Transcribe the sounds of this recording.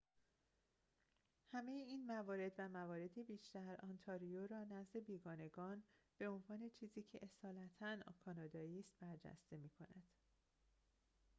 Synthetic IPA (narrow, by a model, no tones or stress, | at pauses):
hæme̞jeiːnmævɒːɾe̞d̪væmævɒːɾe̞d̪ibiːʃt̪æɾʔɒnt̪ʰɒɾijoɾɒːnæzd̪e̞biːɡɒːne̞ɡɒːnb̥e̞o̞nvɒːne̞t͡ʃʰiːziːcʰe̞ʔesɒːlæt̪ʰænkʰɒːnɒːd̪ɒːiːst̪̚b̥æɾd͡ʒæ̰st̪e̞miːkʰo̞næd̪̥